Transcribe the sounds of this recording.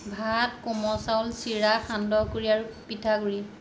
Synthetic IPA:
bʱatkɔmɔsawlsiɹaxandɔɦkoɹiaɹupitʰaɡuɹi

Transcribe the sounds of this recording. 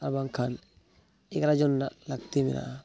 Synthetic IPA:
aɾbaŋkʰan | ekɾad͡ʒonːalak̚t̪imḭɾa̰ʔ

